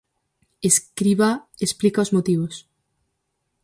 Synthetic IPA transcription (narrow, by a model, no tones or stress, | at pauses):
eskɾiβaesplikaozmot̪iβos